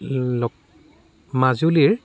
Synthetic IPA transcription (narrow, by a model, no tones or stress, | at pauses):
lɔ | mazuliɹ